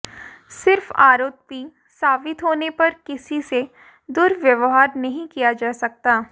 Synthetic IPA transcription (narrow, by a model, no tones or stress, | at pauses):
sɪɾfa̰ːɾoːt̪̚pi | saːbɪt̪ɦoːnepɐɾkɪsise | d̪ʊɾʋjɐʋɦaːɾnɐɦĩkijad͡ʒaːsɐk̚t̪aː